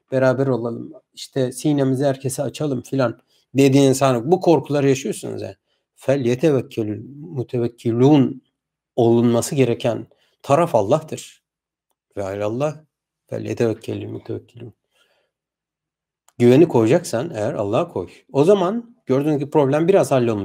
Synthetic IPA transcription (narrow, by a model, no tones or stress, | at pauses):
b̥eɾaːbæɾo̞lˠalˠɯm | iʃt̪ʰɛsijnemizɛhæɾcʰe̞sɛat͡ʃʰalˠɯmfilʲan | d̪e̞d̪iːninsanɾɯbukʰo̞ɾkʰulˠaɾɯjaʃɯjo̞sunṵzja̰ | fælʲːijet̪ʰevɛcʰːelʲimut̪ʰevɛcʰːilʲun | o̞lˠunmasɯɟe̞ɾecʰæn | t̪ʰaɾafalˠːaht̪ʰɯɾ̥ | vɛaɾalˠːah | fæ̰lʲːijet̪ʰevɛcʰːelʲimut̪ʰevɛcʰːilʲuun | ɟyvenikʰo̞jud͡ʒaksanejæɾa̰lˠːahkʰo̞̰j | o̞zamanɟøɾd̪ynyzɟiipɾo̞blʲæmbiɾazhalʲːo̞lˠmu